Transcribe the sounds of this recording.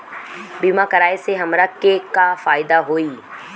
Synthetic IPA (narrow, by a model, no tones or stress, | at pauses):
biːmãkɐɾaːeseɦɐmɾɐkːekafaːɪd̪aɦoːiː